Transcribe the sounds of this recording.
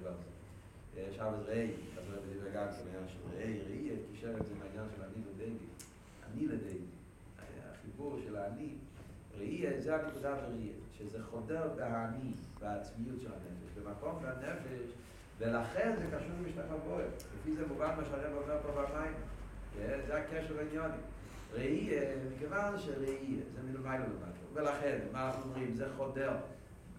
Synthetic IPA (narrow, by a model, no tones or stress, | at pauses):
vaʁze | eʃavesʁeejazebediveɡansemainjanʃelʁḛʔejʁeietkiʃevetzemainjanʃelaniledejɡi | a̰niledejɡi | a̰a̰χibuʁʃelaːni | ʁeʔiezeakikud̪aleʁeiḛʃezeχodeʁbeɦaːnibaːt͡smijutʃɛlha̰nefɛʃbemakombeanefeʃ | velaχenzɛkaʃuʁlmiʃtakaboilefizɛmuvanmaʃaʁɛbomɛʁpobamajme | zezeakɛʃɛlainjonḭ | ʁeiemikevanʃeʁeiḛzemilemajlolema̰do̰velaχenmanaχnuomʁimzeχodeʁ